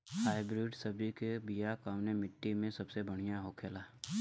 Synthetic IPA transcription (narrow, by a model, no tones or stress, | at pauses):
haːɪbɾɪːɖsəbʱikebijakaːʋnemɪʈːimẽsɐbsebəɽ̤̃ijaɦokʰeːlaː